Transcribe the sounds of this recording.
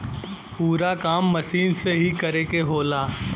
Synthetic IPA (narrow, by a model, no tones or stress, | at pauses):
puːɾakaːmːɐʃiːnseɦikɐɾekeɦoːlaː